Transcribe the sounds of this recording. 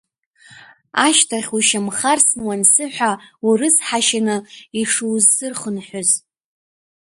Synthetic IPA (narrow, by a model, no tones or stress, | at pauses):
aʃtʰaχʲuʃamχarsnwansɨħʷᶣaurɨsħaʃanɨiʂuwzsɨrχənħʷᶣʊz